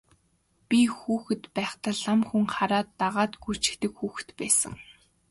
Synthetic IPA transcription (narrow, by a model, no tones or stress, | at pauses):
pʲixuːxɘ̆t̪pæːχt̪ə̆ɮamxuŋχaɾaːt̪ːaʁaːt̪ɡu̥t͡ɕɪ̥̆kt̪ɘ̆kxuːxɘ̥̆t̪pæːsə̰̆ŋ